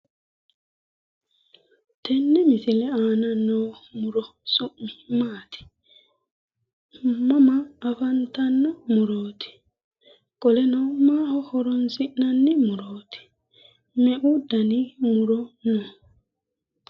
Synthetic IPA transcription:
tʰenːɛmisilɛaːnanːomuɾosuʔmimaːt̪ʰi̥ | mamaːfantanːomuɾot̪ʰi̥ | kɔlɛnomaːhohɔɾonsinanːimuɾoti̥ | mɛʔudanimuɾono

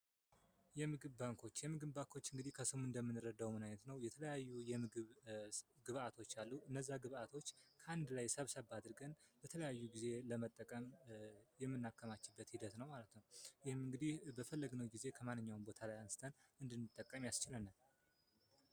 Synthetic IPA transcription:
jɛmɨɡɨβbaŋkʰo̞t͡ʃːjɛmɨɡɨβbaŋkʰo̞t͡ʃːɨŋɡɨd̪ihkʰəsɨmuɨnd̪əmːɨnːɨɾəd̪awmɨnajɲət̪nəwjɛt̪ʰələjajːujɛmɨɡɨβ | ɡɨβat̪ʰo̞t͡ʃːalːuʔɨnːəzːaɡɨβat̪ʰo̞t͡ʃːkʰəʔand̪lajsəβsəβad̪ɨɾɡənbət̪ʰələjajːuɡize̞ləmət̪ʼːəkʼəmjɛmːɨnːakʰːəmat͡ʃːɪbːət̪hid̪ət̪nəwmalət̪nəwjɪhɨmːɨŋɡɨd̪ihbəfəlːəɡnəwɡize̞kʰəmanːɨɲːawnbo̞t̪ʰalajansɨ̥t̪ʰənɨnd̪ɨnːɨt̪ʼːəkʼːəmjast͡ʃɪlənːal

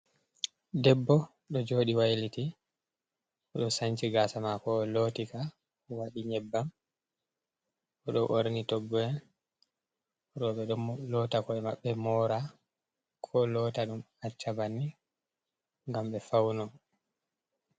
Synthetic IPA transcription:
dɛbːɔ | ɗɔd͡ʒoːɗiwajliti | ʔɔɗɔsaɲt͡ʃiɡasamakɔlotika | waɗiɲɛbːam | ɔɗɔʔoɾnitɔɡːɔɛn | ɗɔɓɛɗɔmlɔtakɔɛma̰ɓːɛmɔɾa | kʰɔlɔtaɗum | at͡ʃːabanːi | ŋɡamɓɛfawnɔ

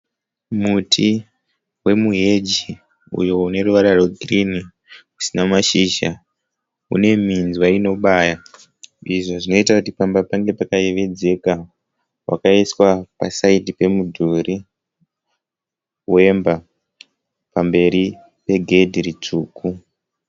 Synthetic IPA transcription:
mutʰi | we̞muɦe̞d͡ʒi | ṵjo̞une̞ruʋaɾaro̞ɡʱrini | ku̥sinamaʃiːʃa | ṵne̞mind͡zwaino̞ɓaːja | iʐoʐino̞itakutipambapaŋɡe̞pakaeʋe̞d͡ze̞ka | wʔa̰kaiswapa̰saidipe̞mudʱuɾi | we̞mba | pambe̞ɾi | pe̞ɡʱe̞dʱirit͡ʂuːku

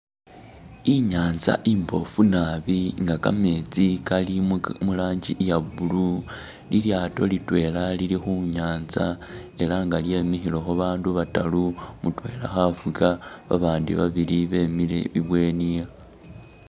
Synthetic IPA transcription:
iɲaːnza̰ʔimbo̞̰funaβiŋɡaka̰me̞ːt͡sikalimulaːɲɟiʔjaβulu | liljaːto̞litwe̞ːlalilixuɲaːnzae̞laŋɡalje̞ːmixilo̞xoβaːnduβatalumutwe̞ːla̰xafukaβa̰βaːndḭβaβiliβemilḛβiβwe̞ːnija

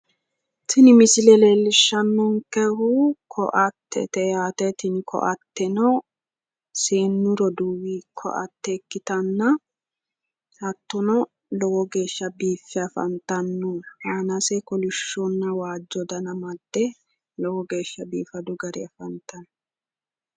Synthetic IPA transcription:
t̪ʰɪnɪmɪsɪlɛleːlːɪʃːɐnːɔŋkɛhʊkʰɔ̰ʔɐt̪ːɛ̰t̪ɛjaːt̪ɛt̪ɪnkʰɔ̰ʔɐt̪ːɛnɔ | seːnːʊɾɔd̪uːwikʰɔ̰ʔɐ̰t̪ːɛkːɪt̪ɐnːɐ | hɐt̪ːʊnɔ | lɔwɔɡe̞ːʃːɐbiːfːɛɐfɐ̰nt̪ɐnːʊhaːnɐsɛkɔlɪʃːɔnːɐwaːd͡ʒːɔd̪ɐnɐmɐd̪ːɛ | lɔwɔɡe̞ːʃːɐbiːfɐd̪ʊɡɐɾɪɐfɐnt̪ːɐn

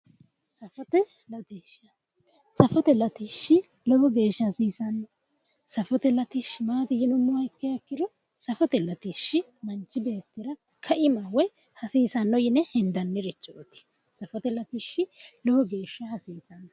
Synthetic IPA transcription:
sɐfɔt̪ɛ | lɐt̪iʃɐ | sɐfɔt̪ɛlɐt̪iʃːɪ | lɔwɔɡe̞ːʃːɐhɐsiːsɐnːɔ | sɐfɔt̪ɛlɐt̪ɪʃːɪmaːt̪ɪjɪnʊmːʊɐkːɛjɐkːɪd̪ɔ | sɐfɔt̪ɛlɐt̪iʃːɪ | mɐnt͡ʃːɪbe̞ːt̪ːɪɾɐ | kʰɐʔɪmawɔj | hɐsiːsɐnːɔjɪnɛhɛnd̪ɐnːɪɾɛt͡ʃːɔʔɔt̪ɪ̥ | sɐfɔt̪ɛlɐt̪iʃːɪlɔwɔɡe̞ːʃːɐhɐsiːsɐnːɐ

